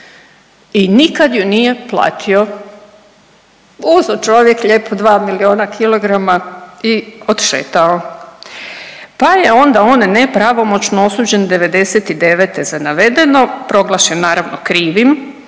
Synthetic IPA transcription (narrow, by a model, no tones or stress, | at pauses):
inikad̪junije̞plˠa̰ːt̪ʰio̞ | uzot͡ʃoʋjekʎeːpʰod̪ʋaːmilioːnakʰilˠo̞ɡɾamaiod̪ʃḛːt̪ao | pajeo̞nd̪ao̞nnepɾaʋo̞mo̞t͡ʃnoo̞suːd͡ʑe̞nd̪e̞ʋe̞d̪e̞set̪id̪e̞ʋeːt̪e̞zanaʋe̞d̪e̞no̞pɾo̞ɡlˠaʃenːaːɾaʋnokɾiːʋim